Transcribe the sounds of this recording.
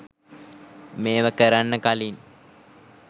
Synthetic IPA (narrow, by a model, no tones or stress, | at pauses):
meːʋəkəɾanːəkalin